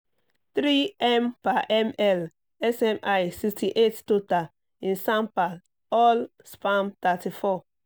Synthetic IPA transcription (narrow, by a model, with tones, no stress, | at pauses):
t̪ɾi˦ɛmpa˨ʔɛmɛl | ɛ˦sɛmʔajsikstiʔe˦tto˦ta˨ | ĩ˨nsã˦mpa˨ | ɔ˦l | spamt̪ati˨fɔ